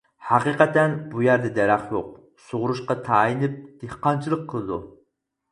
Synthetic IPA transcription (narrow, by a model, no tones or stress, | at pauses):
hɑqiqɛt̪ɛnbujæɾd̪ɛd̪ɛɾæχjoq̚ | soʁʊɾuʃqɑt̪ʰɑjinɨp̚d̪̥ehqɑnt͡ʃʰilˠəqʰːəlˠɨd̪ṵ